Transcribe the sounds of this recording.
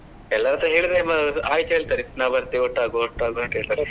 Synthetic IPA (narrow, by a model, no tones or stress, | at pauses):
ɛlːɐɾɐnt̪ɾɐɦeːɭid̪ɾemaːjt̪eːɭt̪aɾinaʋɐɾt̪iɔʈːaːɡoɔʈːaːɡuɐnʈ̪ɦeːɭit̪aːɾe